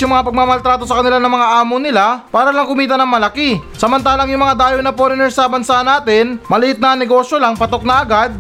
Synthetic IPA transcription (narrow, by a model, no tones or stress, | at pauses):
jʊŋmɐŋapɐɡ̚mamɐlt̪ɾaːt̪o̞sɐkɐnɪlanɐŋmɐŋaʔaːmonɪlapaːɾɐlɐŋkʊmiːt̪ɐnɐŋmɐlɐkisɐmɐnt̪̬aːlɐŋjʊŋmɐŋad̪aːjownɐponɪnɛɾsɐbɐnsanaːt̪ɪnmɐlɪhɪt̪̚nɐaŋnɛɡo̞ːʃjo̞laŋpɐt̪ok̚nɐɐɡad̪̚